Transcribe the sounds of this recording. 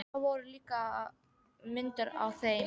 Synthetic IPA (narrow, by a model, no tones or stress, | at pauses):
avɔɾʏliːka | mɪnt̪ʏɾa̰wθe